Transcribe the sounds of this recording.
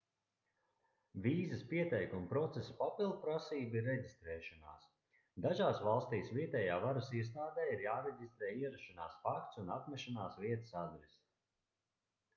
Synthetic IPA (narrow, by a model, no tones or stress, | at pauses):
viːzɐspiɛt̪ɛjkumupɾɔt̪sespapilˠd̪̚pɾasiːbiɾːɛɟist̪ɾɛːʃɔna̰ːs | d̪aʒaːsvalˠst̪iːsvʲiɛt̪ɛːjaːvaɾusiɛs̬t̪aːd̪ɛːiɾjaːɾɛɟʲist̪ɾɛːiɛɾaʃana̰ːsfak̚t̪sunat̪mɛʃanaːsviɛt̪ə̥sad̪ɾɛst̪